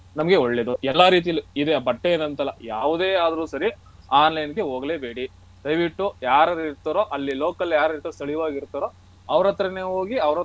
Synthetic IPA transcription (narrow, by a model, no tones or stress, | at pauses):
nɐmɐɡe̞oɭːe̞ːd̪uɛlːaɾiːt̪̬ijɐlːiid̪ebɐʈːeenɐnt̪ɐlːɐjaːʋud̪eːaːd̪ɐɾuːsɐɾi | aːnlɐjnɡeɦoːɡɐleːbe̞ːɽi | d̪̥ɐjʋiʈːujaːɾɐd̪iɾt̪ɐɾoʔɐlːiloːkɐljaːɾɐɾit̪ɐst̪ɐɭijʋaːɡiɾt̪ɐɾo | ɐʋɐɾɐt̪ːɐɾɐneːɦoːɡiɐʋɾɐ